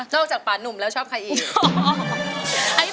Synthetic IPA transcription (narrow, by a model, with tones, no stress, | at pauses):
nɔː˥˩k̚t͡ɕaː˨˩k̚paː˨˩nnːu˨˩mlɛː˦˥wt͡ɕʰɔː˥˩p̚kʰa˧jʔiː˨˩ | ʔa˧˩j